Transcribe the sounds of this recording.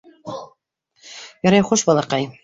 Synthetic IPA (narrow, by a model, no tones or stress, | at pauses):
jɒɾɑjχuʃbɑlˠɑqɑj